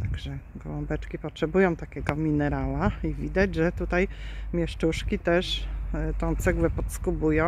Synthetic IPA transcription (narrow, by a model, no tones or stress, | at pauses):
t̪aɡʐɛɡɔwɔmbɛt͡ʂkʲipɔtʂɛbujɔ̃w̃t̪akʲɛɡɔmʲinɛɾalaivʲid̪ad͡ʑʐɛt̪ut̪ajmʲjɛʂt͡ʂuʂkʲit̪ɛʂt̪ɔ̃w̃t̪sɛɡwɛpɔt̪skubujɔ̃